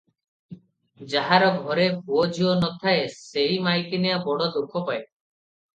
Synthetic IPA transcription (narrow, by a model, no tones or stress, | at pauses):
d͡ʒaɦaɾɔɡʱɔɾebuod͡ʒiɔnɔt̪ʰaesejmajk̪ineabɔɽɔd̪okʰːɔpae